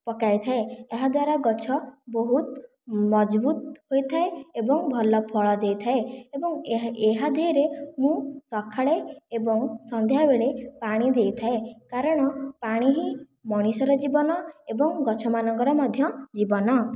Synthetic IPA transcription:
pɔkajt̪ʰaeeɦad̪waɾaɡɔt͡ʃʰɔboɦut̪ | mɔd͡ʒbut̪̚hojt̪ʰaeebɔŋbʱɔlɔpʰɔɭɔd̪ejt̪ʰaeebɔŋeɦad̪ʱeɾemũsɔkʰaɭeebɔŋsɔnd̪ʱjabeɭepaɽ̃id̪ejt̪ʰaekaɾɔɽ̃ɔpaɽ̃iɦi | mɔɽ̃isɔɾɔd͡ʒibɔnɔebɔŋɡɔt͡ʃʰɔmanɔŋkɔɾɔmɔd̪ʱjɔd͡ʒibɔnɔ

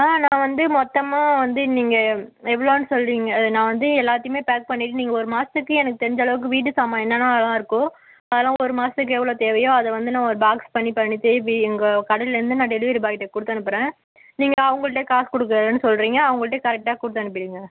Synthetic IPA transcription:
aːnãːʋɐnd̪ɯmɔt̪ːɐmaːʋɐnd̪ɯniːŋɡɐɛʋːɐɭoːnːɯsɔlːɾiːŋɡɐɐðɯnãːʋɐnd̪ɯɛlːaːt̪ːɪjɯmeːpaːk̚pɐɳːɪʈːɯniːŋɡɐɔɾɯmaːsɯkːɯɛnɐkːɯt̪ɛɾɪɲd͡ʒɐɭɐʋɯk̬ːɯʋiːʈ̬ːɯsaːmaːɛnːɐlãːlãːɪɾɯkːʊ̃ | ɐðɛlːãːɔɾɯmaːsɯk̬ːɯɛʋːɐɭoːt̪eːʋɐjõːɐðɛʋɐnd̪ɯnãːɔɾɯbaːkspɐɳːipɐɳːit̪ːɛʋiɛŋɡɐkɐɽɐlɪlɐɾɯnd̪ɯnaːɖɛlɪʋɾɯbaːkɪʈːekʊɽɯt̪ːɐɳɯpːɯɾẽː | niːŋɡɐɐʋɐŋɡɐɭɯʈ̬ːeːkaːskɔɽɯkːɾɐːðɯnːɯsɔlɾiːŋɡɐːʋɐŋɡɐɭɯʈːeːkɐɾɛk̚ʈaːkʊɽɯt̪ːɐɳɯp̬ːɪɽiːŋɡɐ

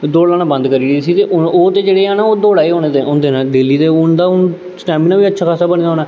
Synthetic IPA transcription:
d̪oːɽãːnãbənd̪kəɾiːlisiːt̪eːʔʊoːt̪eːd͡ʒeːɽeːaːnaːoːd̪oːɽaːeɦoːneːt̪eːond̪eːnãːd̪eːliːt̪eːʊnd̪aːʊn | sʈɛːmiːnãːʋiːətːʃʰaːkʰasaːbəñiːd̪aɦoːnaː

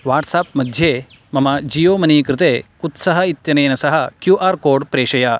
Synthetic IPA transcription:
ʋaːʈsaːp̚mɐd̪ʱje | mɐmad͡ʑiːjoːmɐnikɾɪt̪ekut̪sɐɦɐit̪jɐnɐjnɐsɐɦɐkjuːʔaːɾkoːɖpɾeːɕɐja

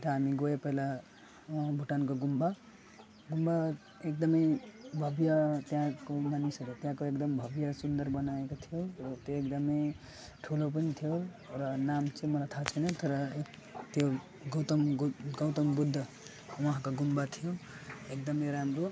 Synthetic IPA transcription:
t̪ʌamiɡoepəɦila | ɦãbʱuʈankoɡumba | ɡumba | ek̚d̪ʌmʌjbʱʌbjat̪jãkomanisəlet̪jãkoekd̪ʌmbʱʌbjasund̪əɾbʌnaekot̪ʰijoɾʌt̪joekd̪ʌme | ʈʰulop̬ʌnit̪ʰijo | ɾʌnamt͡ʃʰemʌlat̪ʰat͡ʃʰənet̪ʌɾʌ | t̪jo | ɡʌt̪mɡɡʌwt̪əmbud̪ʱː | wʌɦãkoɡumbat̪ʰijoek̚d̪ʌmeɾamɾo

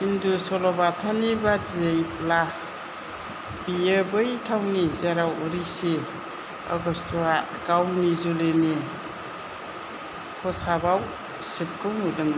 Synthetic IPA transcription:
indusɔlɔbatʰanibaziejpla | biebɯjtʰawnizaɾawuɾise | ɔ̰ɡɔstʰɔa | ɡawnizulɯne | kʰɔsabaw | sɯp̚kɯwnudɯŋba

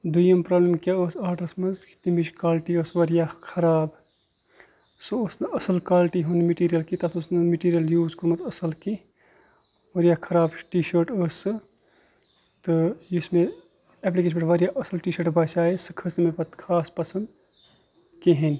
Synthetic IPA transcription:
d̪ujɐmpɾɐːblemkʲaosaːɾɖɐɾsmɐzki̥t̪imiʃkaːlʈiəːsʋɐɾjakʰɐɾaːb | sooːsnɨʔɐsɐlkaːlʈiɦunmiʈiːɾijɐlkit̪ɐt̪usnɐmiʈiːɾjɐljuːzkuɾmɐt̪ɐsɐlki | ʋɐɾjakʰɐɾaːbʈiːʃɐːɾʈəːsɨ | t̪ɨjusme | eːp̬likeːʃmbɐʈʋɐɾjaʔɐsɐlʈiːʃɐɾʈbɐt͡ʃaːesɨkʰɐsmepɐt̪kʰaːspɐsɐnd̪ | keɦin

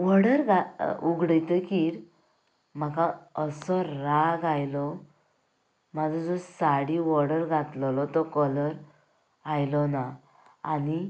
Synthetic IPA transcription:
ʋɔɽəɾɡauɡɽəjt̪əkiːɾ | m̤akaəsɔɾaɡajlɔ | mad͡zʱɔd͡zɔsaɽiʋɔɽəɾɡʱat̪lɔlɔt̪ɔkələɾ | ajlɔna | ani

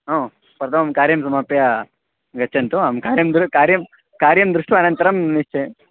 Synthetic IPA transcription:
ɦõː | pɾɐt̪ʰɐmɐmkaːɾjɐmsɐmaːpja | ɡɐtːʃʰɐnt̪uamkaːɾjɐmd̪ɾukaːɾjɐm | kaːɾjɐmd̪ɾuʂʈʋɐɐnɐnt̪ɐɾɐmniʃt͡ʃe

